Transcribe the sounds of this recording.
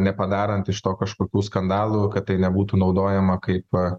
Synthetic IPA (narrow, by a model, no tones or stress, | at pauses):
nʲɛpɐd̪ɑːɾɐnt̪ɪʃt̪oːkɐʃkoːkʲuːskɐnd̪ɑːlˠuːkɐt̪̚t̪ːɐɪnʲɛbuːt̪uːnɒʊd̪oːjɛmɐkɐɪp